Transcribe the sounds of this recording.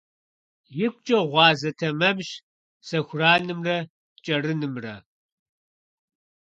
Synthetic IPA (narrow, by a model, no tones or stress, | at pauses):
jɪkʷʼt͡ʃʼɐʁʷɑːzɐtʰɐmɐbʃ | sɐxʷʊraːnɨmrɐ | t͡ʃʼɐrɨnɨmrɐ